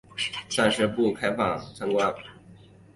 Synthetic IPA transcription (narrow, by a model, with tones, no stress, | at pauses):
sa˥˧nʂɻ̩˥˧pu˥˩kʰa˥ɪfɑ˥˩ŋt͡sʰa˥ŋkwa˥n